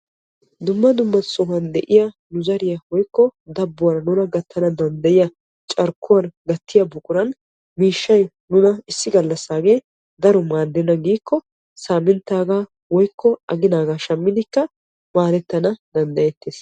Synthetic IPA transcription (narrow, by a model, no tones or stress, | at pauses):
d̪ʊmːɐd̪ʊmːɐsɔhɐnd̪ɛʔɪjɐ | nʊzɐɾɪjɐwɔjkːɔd̪ɐbːʊwɐɾɐnʊnɐɡɐt̪ʰːɐnɐd̪ɐnd̪ɐjɪjɐ | t͡ʃʼɐɾkʰːʊwɐnɡɐt̪ːɪjɐbʊkʼʊɾɐn | miːʃːɐj | nʊnɐɪsːɪɡɐlːɐsːaːɡeː | d̪ɐɾɔmaːd̪ːɛnːɐɡiːkːɔ | saːmɪnt̪aːɡaː | wɔjkːɔɐɡɪnaːɡaːʃɐmːɪd̪ɪkːɐ | maːlɛt̪ːɐnɐd̪ɐnd̪ɐjɛt̪ːeːs